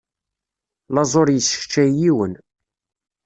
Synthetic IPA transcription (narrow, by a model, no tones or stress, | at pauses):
lɑzˤoɾjəsə̥çt͡ʃːæjiwən